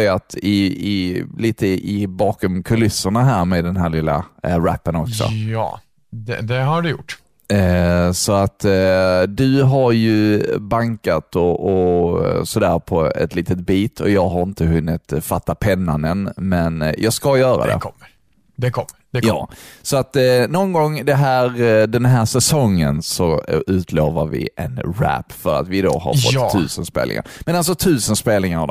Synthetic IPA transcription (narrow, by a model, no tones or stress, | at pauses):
jat̪ɪɪliːt̪əʔɪbɑːkɔmkʰɵlɪsːəɳaɦæːɾmed̪ɛnɦæːɾlɪlːa̰ɾæ̰pːənɔksɔ̰ɑ̰ː | d̪ɛ̰d̪ɛɦaɖɵjʊ̰ʈː | sɔat̪ | d̪ɵɦaɾjɵbaŋkat̪ɔʔɔ | sɔd̪æ̰ːɾpʰɔɛ̰t̪liːt̪ət̪̚biːt̪ʰɔ̰jɑːɡɦaɾɪnt̪əɦɵnːɪt̪fat̪ːapʰɛnːanənmɛnjʔɑːɡskajœːɾa̰d̪ɛ̰ | d̪ɛkɔ | jjɑːsɔat̪nɔnɡɔŋːd̪ɛɦæːɾd̪ɛnɦæːʂɛsɔŋːənsɔʉ̟ːt̪ʰloːvəɾvɪ̰ʔɛ̰nɾæ̰pːfœɾa̰t̪vɪd̪o̰ha̰ɾɔ̰ʉ̟ːsənspḛːlɪ̰ŋa̰ɾmɛnals̬ɔt̪ʰʉ̟ːsənspeːlnɪŋaɾ